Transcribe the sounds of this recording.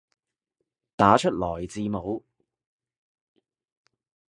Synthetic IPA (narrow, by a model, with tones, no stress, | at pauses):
t̪aː˨˥t͡ʃʰɵ˥t̚lɔː˨˩jt͡siː˧mo˨˧w